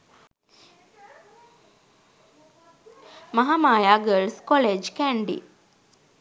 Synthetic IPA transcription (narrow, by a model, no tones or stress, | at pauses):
maɦamaːjaːɡəɭskoleːd͡ʒkæɳɖḭ